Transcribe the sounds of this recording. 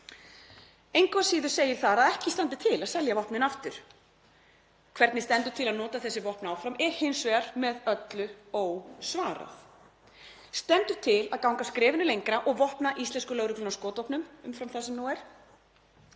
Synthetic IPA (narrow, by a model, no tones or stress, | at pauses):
ejŋkaasiːðʏ̥seːjɪɾ̥θaðaðɛhcɪst̪ant̪ɪ̥t̪ʰɪlaðsɛljavɔhpnɪnaft̪ʏɾ̥ | kʰvɛɾt̪nɪst̪ɛnt̪ʏt̪ʰɪlaðnɔːt̪aθɛsːɪvɔhpnaawfɾamɛɾ̥hɪnsvɛɾ̥mɛðœt̪lʏowsvaːɾa̰θ | st̪ɛnt̪ʏ̥t̪ʰɪlaðkawŋkaskɾɪːvɪnʏlejŋkɾaʔɔɣvɔhpnaʔist̪lɛnskʏlœɣɾʏklʏnawskɔːt̪vɔhpnʏmʏmfɾamθɛsːɛmnuwɛɾ̥